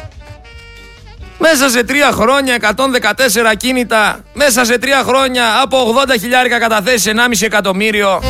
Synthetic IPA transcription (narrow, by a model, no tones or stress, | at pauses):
me̞s̬ɐs̬e̞t̪ɾiɐxɾo̞ɲɐe̞kɐt̪o̞nðe̞kɐt̪e̞s̬e̞ɾɐcinit̪ɐme̞s̬ɐs̬e̞t̪ɾiɐxɾo̞ɲɐːpo̞ːɣðo̞nd̪ɐçiʎɐɾikɐkɐt̪ɐθesise̞nɐmisiekɐt̪o̞miɾio̞